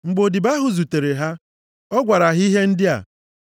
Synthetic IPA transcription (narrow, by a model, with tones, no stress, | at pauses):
ŋ͡m̩˨ɡ͡bo˨di˨ba˦ɦʊ˨zu˨te˨ɾe˨ɦa˦ | ɔ˦ɡʷa˨ɾa˨ɦi˦ɦe˦n̩˦dɪ˦a̰˨